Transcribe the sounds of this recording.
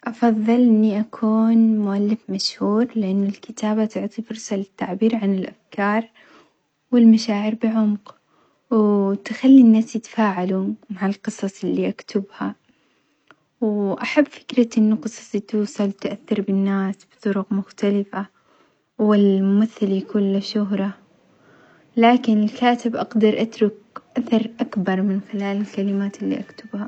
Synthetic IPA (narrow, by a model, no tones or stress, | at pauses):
ʔɑfɑðˤːɨlʔɪnːiʔakʰuːnmʊʔalːɪfmaʃhuːɾlɪʔanːɪlkɪt̪aːbat̪ʊʕt̪ˤifʊɾsalɪt̪ːaʕbiːɾʕanɪlʔafkɑːɾˤ | wɪlmaʃaːʕɪɾbɪʕʊmq | wt̪ɪxalːinːaːsjɪt̪ḁfaːʕalumaʕalqɨsˤɑsˤɪlːiʔakt̪ʰʊbha | wʔaħabːfɪ̥kɾaɪnːʊqɨsˤɑ̥sˤit̪uːsˤɑlt̪ʔaθːɑɾbɪnːaːsb̥ɨt̪ˤʊɾʊqmʊxt̪alɪfa | wɪlmʊmaθːɪljakʊnlːɪʃʊɦɾˤɑ | laːkɪnɪlkaːt̪ɪbʔɑɡd̪ɑɾˤʔat̪ɾʊk | ʔaθɑɾˤʔakbɑɾˤmɪnxɪlaːlɪlkalɪmaːt̪ɪlːḭʔakt̪ʊbha